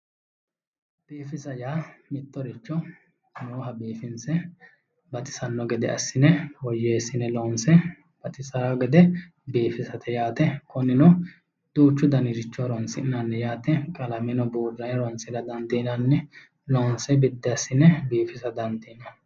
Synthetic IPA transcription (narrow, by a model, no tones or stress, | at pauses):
b̥iːfɪsɐjaːmɪt̪ːɔɾɪt͡ʃːɔ | noːɦɐbiːfɪnsɛ | bɐt̪ʼɪ̥sɐnːɔɡɛd̪ɛʔɐsːɪnɛwɔjeːsːɪnɛlɔːnsɛ | b̥ɐt̪ʼɪsɐɾaɡɛd̪ɛ | biːfɪsɐt̪ʰɛjaːt̪ɛkɔnːɪnɔ | d̪̥uːt͡ʃːʊd̪ɐnɪɾɪt͡ʃːɔɾɔnsɪnanːɛjaːt̪ɛkʼɐlɐmɪnɔbuːd̪ːɐnɾɔnsɪdɐd̪ɐnd̪iːnɐnːɛ | lɔːnsɛbɪd̪ːɛɐsːɪnɛbiːfɪsɐd̪ɐnd̪iːnɔ